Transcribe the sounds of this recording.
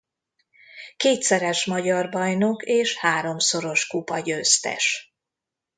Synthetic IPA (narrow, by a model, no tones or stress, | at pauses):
keːt̪sɛɾɛʃmɒɟɒrbɒjno̞keːʃhaːɾo̞mso̞ɾo̞ʃkupɒɟøːst̪ɛ̰ʃ